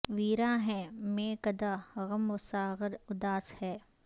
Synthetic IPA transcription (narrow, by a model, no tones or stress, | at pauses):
ʋiːɾaːɦɛ̃ːmẽːkɐd̪aɣɐmʋʊsaːɣəɾʊd̪aːshɛː